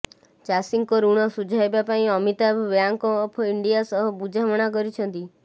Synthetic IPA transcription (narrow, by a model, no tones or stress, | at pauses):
t͡ʃasiŋkɔɾuɽ̃ɔsud͡ʒʱajbapaĩɔmit̪abjaŋkɔːpʰiɳɖijasɔɦɔbud͡ʒʱaʋɔɽ̃ak̬ɔɾit͡ʃʰɔnt̪i